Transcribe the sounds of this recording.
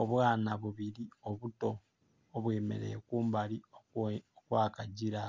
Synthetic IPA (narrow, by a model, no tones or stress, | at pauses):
oβwaːnaβuβiɾioβuto̞ː | βweːme̞̰ɾe̞̰ːkuːmbali | okwaːkaɟiɾa